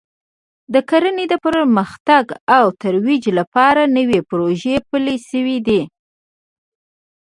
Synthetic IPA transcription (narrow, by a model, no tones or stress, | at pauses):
d̪əkaɾəned̪əpɾməxt̪aɡawt̪aɾwid͡ʒlapɑɾanəwepɾoʒepəleʃəwid̪i